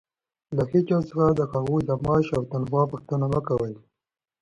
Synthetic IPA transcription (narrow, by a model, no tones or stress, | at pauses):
laxit͡ʃɑsəxad̪əxaɣujd̪amɑʃawt̪anfɑpəxt̪ənaməkawəl